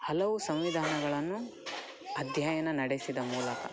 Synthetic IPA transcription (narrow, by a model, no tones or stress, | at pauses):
hɐlɐʋusɐ̃mʋid̪ʱaːnɐɡɐɭɐnːu | ɐd̪ʱjajɐnɐnɐɽesid̪ɐmuːlɐkɐ̰